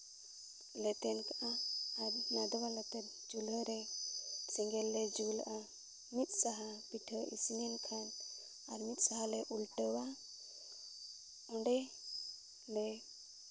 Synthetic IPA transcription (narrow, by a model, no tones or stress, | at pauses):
lɛt̪ɛnkaʔaːɾnad̪walat̪ɛɾ̚ | d͡ʒulɦəɾɛ | siŋɡɛlːɛd͡ʒula̰ʔa | mit̪̚ˀsaɦapiʈʰəʔḭsnɛnkʰan | aɾmit̪̚saɦalɛʔulʈəwa | ɔɳɖɛ | lɛ